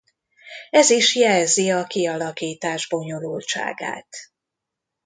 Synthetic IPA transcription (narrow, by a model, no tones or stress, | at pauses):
ɛziʃjɛlziɒkiɒlɒkiːt̪aːʒbo̞ɲo̞lult͡ʃa̰ːɡa̰ːt̪